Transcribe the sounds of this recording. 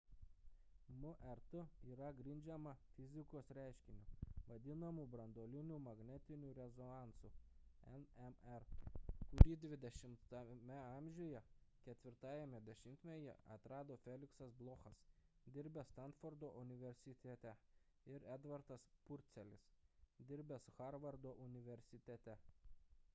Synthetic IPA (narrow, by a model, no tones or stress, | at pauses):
mʊʔɛɾt̪ʊiːɾɐɡɾʲɪnʲd͡ʒʲɛmɐfʲɪzʲɪkoːsɾʲæˑɪʃʲkʲɪnʲuːʋɐd̪ʲɪnɐmuːbɾɐnd̪oːlʲɪnʲuːmɐɡnʲɛt̪ʲɪnʲuːɾʲɛzɔnɑˑnsuɛnɛmɛɾkʊɾʲiːd̪ʲʋʲɪd̪ʲɛʃʲɪmt̪ɐmʲɛɑˑmʲʒʲoːjɛkʲɛt̪ʲʋʲɪɾt̪ɑːjɛmʲɛd̪ʲɛʃʲɪmt̪ʲmʲɛjɛ̰ʔɐ̰t̪ɾɑːd̪oːfʲɛlʲɪksɐsblˠoːxɐsd̪ʲɪɾʲbʲɛst̪ɐnt̪fɔɾd̪oːʔʊnʲɪʋʲɛɾʲsʲɪt̪ʲɛt̪ʲɛ | ɪɾɛd̪ʋɐɾt̪ɐspʊɾʲt̪sʲɛlʲɪsd̪ʲɪɾʲbʲɛsʊxɑɾʋɐɾd̪oːʔʊnʲɪʋʲɛɾʲsʲɪt̪ʲɛt̪ʲɛ